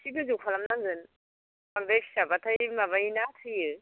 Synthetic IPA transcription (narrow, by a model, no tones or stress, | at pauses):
siɡɯzupʰalamnaŋzɯn | baŋdajkʰsabatʰajmaβajnatʰɯjɯ